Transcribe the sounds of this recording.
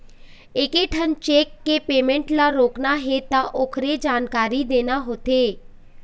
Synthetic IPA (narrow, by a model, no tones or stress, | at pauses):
ɪkeːʈʰənt͡ʃeːkːeːpeːmẽɳʈlaːɾoːknaːɦeːt̪ãːʔoːkʰɾeːd͡ʒaːnkaːɾiːd̪eːnaːɦoːt̪eː